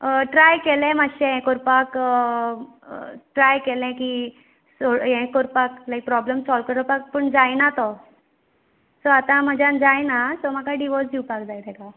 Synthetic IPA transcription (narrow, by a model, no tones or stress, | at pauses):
ʈɾajkelɛ̃məɕẽɦɛ̃koɾpak | ʈɾajkelɛ̃ki | soɦɛ̃koɾpaklajk̚pɾɔblemsɔlʋkəɾəpak̚pəɳd͡zajnat̪ɔ | sɔat̪ãməd͡ʑãnd͡zajnasɔm̤akaɖiʋɔɾsd̪iwpakd͡zajt̪ɛka